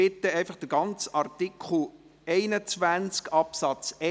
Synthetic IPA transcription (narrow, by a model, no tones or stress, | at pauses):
ɪt̪ːəɛɪfɑχd̥əɡ̥ɑnt͡sɑrt̪ikʰχl̩ | ɛɪnət͡sʋænt͡skɑpsɑt͡sɛ